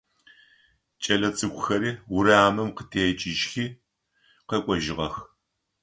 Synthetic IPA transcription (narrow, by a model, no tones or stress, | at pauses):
t͡ʃʼɐlɐt͡sʼɨɡʷʼʊxɐɾiːwʊɾaːmɨmqətʰeːt͡ʃʼɪʒxiː | qɐkʷʼɔʒɪʁɐx